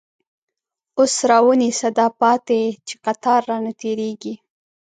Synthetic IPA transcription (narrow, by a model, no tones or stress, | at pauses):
osɾɑwənisad̪ɑpɑt̪et͡ʃe̥qat̪ɑɾːɑnat̪eɾeɡi